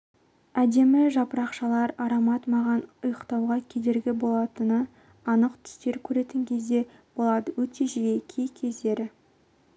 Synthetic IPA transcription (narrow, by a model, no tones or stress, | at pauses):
æd̪e̞mɪʒɑpəɾɑqʃɑlˠɑɾɑɾɑmɑt̪mɑʁɑnʊjəqt̪ɑwʁɑkʲʰe̞d̪e̞ɾɡʲɪbo̞lˠɑt̪ənə | ɑnəqt̪ʰʏ̥st̪e̞ɾkʲʰɵɾe̞t̪ɪŋkʲʰe̞zd̪e̞b̥o̞lˠɑd̪əwɵt̪e̞ʒijekʲʰejkʲʰe̞zd̪e̞ɾɪ